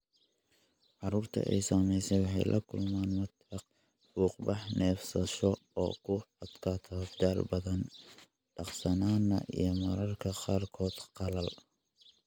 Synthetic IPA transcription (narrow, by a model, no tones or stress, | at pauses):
ʕɑɾuːrt̪ʰɐ̰ʔɛjsɐmɛjsɛjwɑħɑ̰jlʔɐ̰kʰʊlmaːnmɐt̪ɑq | buːqbɑħnʔɛːfsɐʃɔɔ̰ːkʰʊɐd̪kʰaːt̪ʰɔd̪aːlbɐðɐn | ɖɑqsɐnaːnɐʔḭjɞmɐɾɐrkʰɐqaːrkʰɔːd̪̥qɑlɐl